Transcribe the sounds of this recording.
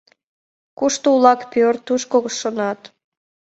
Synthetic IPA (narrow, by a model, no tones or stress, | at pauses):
kuʃt̪oulɑkpørt̪uʃkoɣʃʃonɑt̪